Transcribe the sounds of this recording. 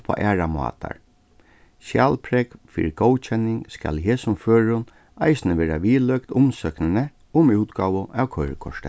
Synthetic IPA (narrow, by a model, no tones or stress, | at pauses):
pʰa̰ʔæːɹamɑ̰ːt̪ʰa̰ɹ | ʃjæːlpʰɾɛkfḭːɾɪɡ̥ɔːwt͡ʃʰɛnːɪŋskæ̰lɦeːsʊmføːɹʊn | aɪsnəʋeːɾaʋiːlœkt̪ʊmsœknɪnə | ʊmuːt̪ɡaːʋʊʔæwkʰœʏɾkʰɔ̰ʂt̪ə